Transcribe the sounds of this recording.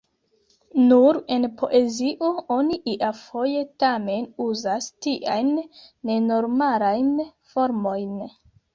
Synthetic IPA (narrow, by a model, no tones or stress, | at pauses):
nuɾe̞npʰo̞ʔe̞ziʔo̞o̞niʔiʔafo̞je̞tame̞nuzastiʔajnːe̞no̞ɾmalajnfo̞ɾmo̞jn